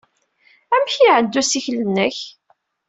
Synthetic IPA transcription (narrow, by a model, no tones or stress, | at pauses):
æmçiʕəd̪ːusiçlənːəç